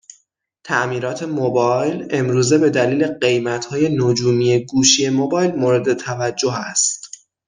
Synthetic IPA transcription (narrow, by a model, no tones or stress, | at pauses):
t̪ʰæʔmiːɾɒːt̪ʰe̞mobɒjle̞mɾuːze̞be̞d̪æliːle̞ɢe̞jmæt̪hɒːje̞nod͡ʒuːmije̞ɡuːʃie̞mobɒːjlmoɾe̞d̪e̞t̪ʰævæd͡ʒːo̞ɦæst̪